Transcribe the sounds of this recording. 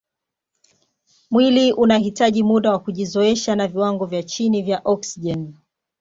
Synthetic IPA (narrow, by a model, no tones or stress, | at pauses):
mwiliʔunahitaʄimuɗawakuʄizɔɛʃanaviwaŋɡɔvjat͡ʃinivjaʔɔksiʄɛn